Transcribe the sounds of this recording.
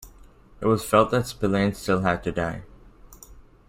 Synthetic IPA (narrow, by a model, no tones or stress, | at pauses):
ɨt̚wʌz̥fɛlˠt̪̚ðɨtspɪlẽnstɪlˠɨd̚tɨdaɪ